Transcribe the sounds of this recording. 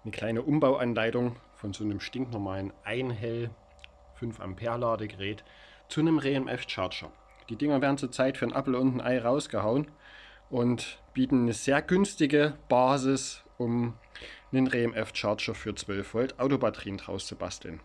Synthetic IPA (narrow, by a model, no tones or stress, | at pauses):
nəkʰl̥aɪnəʔʊmbaʊʔanlaɪtʊŋfɔnzoːnəmʃtɪŋknɔmaːlənʔaɪnɦɛl | fʏnfʔa̰mpʰeːɐlaːdəɡəʁɛːt | t͡sunəmʁeːɛmʔɛft͡ʃa̰ːɐt͡ʃɐ̰ | d̥iːdɪŋɐveːɐdn̩t͡suːɐt͡saɪtfyːɐnʔa̰pl̩ʊntn̩ʔa̰ɪʁaʊsɡ̥əhaʊən | ʔʊntb̥iːtn̩nəz̥eːɐɡʏnstɪɡəb̥aːzɪsʔʊm | nənʁeːɛmʔɛft͡ʃaɐt͡ʃɐfyːɐt͡sv̥œlfv̥ɔltʔaʊtobatɐʁiːndʁa̰ʊst͡suba̰stʰl̩n